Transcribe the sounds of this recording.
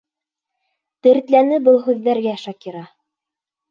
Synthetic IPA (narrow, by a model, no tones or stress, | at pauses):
t̪ɘ̆ɾt̪lænɘbɤlˠɦʉðːæɾɡæʃɑkiɾɑ